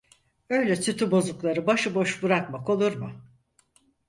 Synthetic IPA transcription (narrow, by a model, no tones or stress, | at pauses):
ø̞jlʲɛsʰyt̪ʰybo̞zuklˠaɾɯbaʃɯbo̞ʃbɯɾakmako̞lˠuɾmʊ